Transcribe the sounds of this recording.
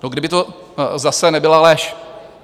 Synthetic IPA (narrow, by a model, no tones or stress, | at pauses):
noɡdɪbɪt̪o | zasɛnɛbɪlalɛʃ